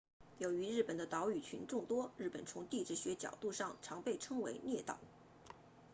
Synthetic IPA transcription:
jo˧˥ʊy˧˥ɻɻ̩˥˩pə˨˩nd̪ə˦t̪ɑ˧˥ʊy˨˩t͡ɕʰy̰˧˥nʈ͡ʂʊ˥˩ŋt̪wɔ˥ɻɻ̩˥˩pə˨˩nt͡sʰʊ˧˥ŋt̪i˥˧ʈ͡ʂɻ̩˥˩ɕɥɛ˧˥t͡ɕjɑ̰˨˩ʊt̪u˥˧ʂɑ˥˩ŋʈ͡ʂʰɑ˧˥ŋpe˥˩ɪʈ͡ʂʰɤ˥ŋwḛ˧˥ɪnjɛ˥˩t̪ɑ̰˨˩˦ʊ

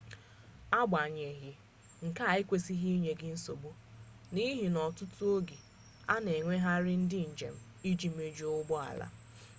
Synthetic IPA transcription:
a˦ɡ͡ba˨ɲe˨ɦɪ˦ | ŋ̩˨ka˦˨ɪ˦kʷe˦si˦ɦi˦ɲe˦ɡɪ˦n̩˦so˨bu˦ | ni˦ɦi˨nɔ˨tʊ˦tʊ˦o˦ɡi˨ | a˦ne˨ŋʷe˦ɦa˦ɾɪ˦n̩˦dɪ˦n̩˨d͡ʒḛ˨m̩˦ | i˦d͡ʒi˦m̩˦e˨d͡ʒu˦ʊ˦ɡ͡bɔ˦a̰˨la̰˦

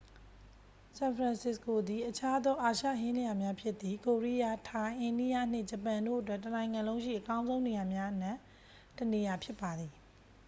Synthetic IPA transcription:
sã˨npʰɹã˨nsɪ˦sko˨d̪i˨ʔət͡ɕʰa˦d̪ɔ˦ʔa˨ʃä̰˦˨ɦɪ̃˦lja˨mja˦pʰjɪ˦t̪ːi˦˨ko˨ɹi˦ja˦˨tʰã˨ʔẽ˨ndi˦ja̰˦˨n̥ɪ˦˨d͡ʑə˨pã˨ndo̰˦˨ʔət̬wɛ˦ʔtːənã˨ɪ̃ŋã˨lõ˦ʃḭ˦˨ʔəkã˦ʊ̃zõ˦ʊ̃ne˨ja˨mja˦ʔən̥ã˦˨ | təne˨ja˨pʰjɪ˦pːa˨d̪i˨

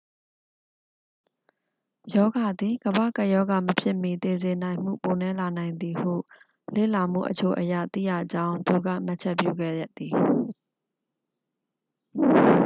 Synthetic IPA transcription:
jɔ˦ɡa˨d̪i˨ɡəbä̰˦˨ka˦ʔjɔ˦ɡa˨məpʰjɪ˦ʔmi˨t̪e˨zɪ̃˨nã˨ɪ̃m̥ṵ˦˨po˨nɛ˦la˨nã˨ɪ̃nd̪i˨hṵ˦˨ | lḛ˦˨la˨m̥ṵ˦˨ʔət͡ɕʰo˦ʔəjä̰˦˨t̪ḭ˦˨jä̰˦˨d͡ʑã˦ʊ̃nt̪u˨ɡa̰˦˨ma˦t͡ɕʰɛ˦ʔpjṵ˦˨ɡɛ̰˦˨ja˦ʔt̪ːi˨

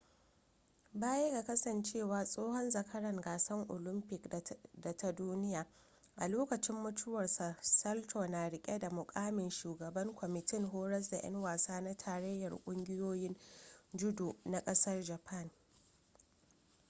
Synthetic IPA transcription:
baː˦je˦ɡa˨kɐ˦sɐ˨nt͡ʃeː˦˨waː˨sʼoː˦hɔ˦nzɐ˨kʰɐ˦ɽɐ˨ŋɡaː˨sɐ˦ŋʔʊ̰˨lɪ˦mpɪ˨kda˨tʰa˨duː˦nɪ˦jaː˨ | ʔa˨loː˦kɐ˨t͡ʃɪ˦mːʊ˦tʰʊ˦wɐ˨rsa˨sɐ˦ltoː˨naː˨ɽɪ˨kʲʼe˦da˨mʊ˨kʼaː˦mɪ˨nʃuː˨ɡɐ˨bɐ˦ŋkʷʰɔ˨mɪ˨tɪ˦ŋɦoː˦ɾɐ˦s̬da˨j̰ʔɐ̰˦ŋwaː˨saː˦na˦tʰaː˨ɾɐ˦jːɐ˨rkʷʼʊ˦ŋɡʲɪ˦joː˦jɪ˦nd͡ʒʊ˦du˨na˨kʼɐ˦sɐ˦rd͡ʒɐ˨pʰɐ˦˨n

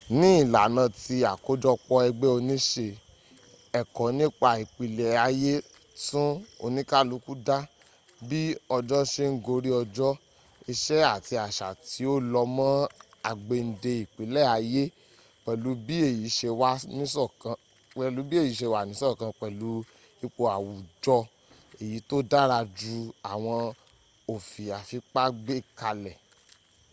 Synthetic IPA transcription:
nĩ˦i˦˨la˨nã˨˧˨ti˧a˨ko˦d͡ʒɔ˦k͡pɔ˧ɛ˧ɡ͡bɛ˦o˧nĩ˦ʃe˧ | ɛ˨kɔ˨˦nĩ˦k͡pa˨i˨k͡pi˨lɛ˨a˧je˦ | tũ˦o̰˧nĩ˦ka˦˨lu˨˦ku˦da˦ | bi˦ɔ˧d͡ʒɔ˦ʃe˦ŋ̩˦ɡo˧ɾi˦ɔ˧d͡ʒɔ˦ | i˧ʃɛ˦a˦˨ti˧a˨ʃa̰˨ti˨˦o˦lɔ˧mã˦ | a˧ɡ͡be˧n̩˨de˧i˨k͡pe˨˦lɛ˦˨a˨˧je˦ | k͡pɛ˨lu˨˦bi˦e˦˨ji˨˦ʃe˧wa˦nĩ˦sɔ˦˨kã˧ | k͡pɛ˨lu˨˦bi˦e˦˨ji˨˦ʃe˧wa˦˨nĩ˦sɔ˦˨kã˧k͡pɛ˨lu˨˦ | i˧k͡po˧a˨wu˨d͡ʒɔ˧ | e˨ji˨˦to˦da˦ɾa˧d͡ʒu˧˦a˨w̃ɔ̃˧ | o˨fi˨a˨fi˧k͡pa˦ɡ͡be˦˨ka˧lɛ˨

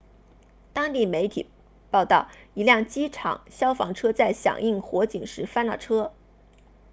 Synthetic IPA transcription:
t̪ɑ˥ŋt̪i˥˩me˧˥ɪt̪ʰḭ˨˩ | pɑ˥˧ʊt̪ɑ˥˩ʊi˧˥ljɑ˥˩ŋt͡ɕi˥ʈ͡ʂʰɑ̰˨˩˦ŋɕjɑ˥ʊfɑ̰˧˥ŋʈ͡ʂʰɤ˥t͡sa˥˩ɪɕjɑ̰˨˩ŋi˥˩ŋxwɔ˧˥t͡ɕi˨˩ŋʂɻ̩˧˥fa˥na̰˥˩ʈ͡ʂʰɤ˥

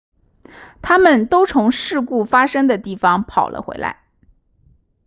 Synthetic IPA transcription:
t̪ʰa˥mə˨nt̪o˥ʊt͡sʰʊ˧˥ŋʂɻ̩˥˧ku˥˩fa˥ʂɤ˥ŋd̪ə˨t̪i˥˩fɑ˩ŋpʰɑ˨˩ʊlʔə̰˦xwḛ˧˥ɪla̰˧˥ɪ

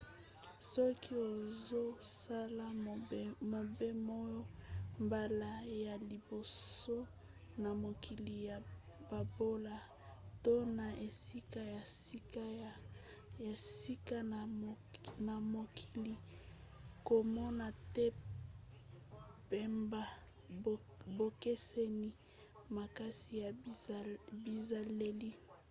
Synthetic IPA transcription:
sɔ˦kʰi˦o˨zo˦sa˦la˦˨mo˨be˦mɔ˦jɔ˦mba˨la˦ja˨li˨bo˨so˦ | na˨mo˨ki˨li˨ja˨ | b̥a˨bo˦la˨ | to˦na˨e˨si˦ka˦ja˨si˦ka˦˨ | ja˨si˦ka˦˨ | na˨mo˨kʰi˨li˨ | ko˨mɔ˦na˨te˦ | pe˨mba˦ | bo˨ke˦se˦ni˦ | ma˨ka˦si˨ja˨ | bi˨za˨le˦li˦

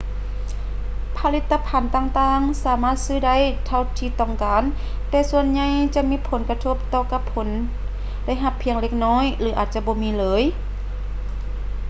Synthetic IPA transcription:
pʰa˧li˧˥t̪ʰːa˧pʰa˨˦nt̪aː˧ŋt̪aː˧ŋsaː˨˦maː˧˩t̪̚sɯː˧˩da˧˨jt̪ʰa˧wt̪ʰiː˧t̪ɔ˧˩ŋkaː˨˦n | t̪ɛː˧su˧ənɲa˧jt͡ɕa˧ʔmiː˧˥pʰo˨˦nka˧t̪ʰo˧˩p̚t̪ɔː˧˩ka˧pʰːo˩˦n | da˧˥˨jɦa˧pʰːi˧˦əŋle˧k̚nɔː˧˥˨jlɯː˨˦ʔaː˨˩t̪̚t͡ɕa˧ʔbɔː˧˦miː˧˨lɤː˨˦j

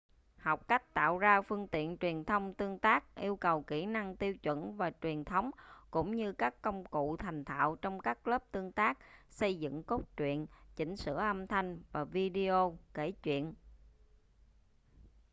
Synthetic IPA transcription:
hɔ˨˩wk͡p̚ka˦˥jk̟̚t̪a̰ː˧˨wzaː˧fɨ˧əŋt̪ḭ˧˨ənt͡ɕwi˨˩ənt̪ʰə˧wŋ͡mt̪ɨ˧əŋt̪aː˦˥k̚ʔi˧əwkə˨˩wki˧˩na˧ŋt̪i˧əwt͡ɕwə̰˧˨nvaː˨˩t͡ɕwi˨˩ənt̪ʰə˨˦wŋ͡mkʊ̰˧˥ŋ͡mɲɨ˧kaː˦˥kːə˧wŋ͡mkṵ˧˨t̪ʰa˨˩jŋ̟t̪ʰa̰ː˧˨wt͡ɕɔ˧wŋ͡mkaː˦˥k̚ləː˦˥p̚t̪ɨ˧əŋt̪aː˦˥k̚sə˧jzɨ̰˧˨ŋko˦˥t̚t͡ɕwḭ˧˨ənt͡ɕï˧˩ŋ̟sɨ̰˧˥əʔə˧mt̪ʰa˧jŋ̟vaː˨˩vi˧ɗi˧o˧ke˧˩t͡ɕwḭ˧˨ənʔ

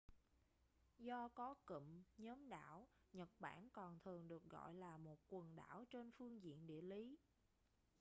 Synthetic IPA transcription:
zɔ˧kɔ˨˦kə̰˧˨mɲəː˨˦mɗa̰ː˧˩w | ɲə˨˩t̚ɓa̰ː˧˩nkɔ˨˩nt̪ʰɨ˨˩əŋɗɨ˨˩ək̚ɣɔ̰˧˨jlaː˨˩mo˨˩t̚kwə˨˩nɗa̰ː˧˩wt͡ɕe˧nfɨ˧əŋzḭ˧˨ənɗḭ˧˨əli˨˦

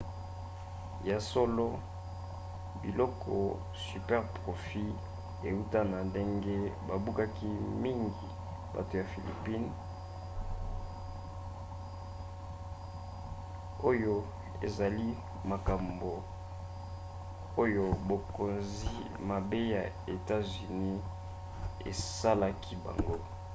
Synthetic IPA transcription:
ja˨so˦lo˦ | bi˨lɔ˦kʰɔ̰˨ | sy˨pɛ˦ʁpʁo˨fi˦ | e˨u˦ta˦na˨nde˦ŋɡe˦ba˨bu˦ka˦ki˦mi˦ŋɡi˨ | ba̰˨to˨ja˨fi˨li˨pi˦n | o˦jo˦ | ḛ˨za˨li˦ | ma˨ka˨mbo˨ | o˦jo˦bo˨ko˨nzi˦ | ma˨be˦ja˨ | e˨ta˦zy˨ni˦ | ḛ˨sa˦la˦kʰi˦ba̰˨ŋɡo˦

